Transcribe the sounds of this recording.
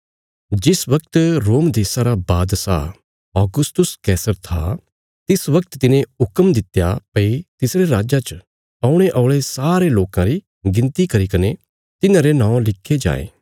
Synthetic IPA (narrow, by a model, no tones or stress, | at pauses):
d͡ʒɪsʋɐkt̪ɾoːmd̪eːsaɾabaːd̪sa̰ | ɔːɡʊst̪ʊskɛːsəɾt̪ʰa̰ | t̪ɪsʋɐk̚t̪t̪ɪnẽʊkəmd̪ɪt̪ja̰pɐit̪ɪsɾeɾaːd͡ʒat͡ʃ | ɐʊɽ̃eʔɔːʊɭesaːɾeloːkãɾi | ɡɪ̃nt̪ikɐɾikɐne | t̪ɪnãɾenãːõlɪkʰːed͡ʒa̰ːḛ̃ː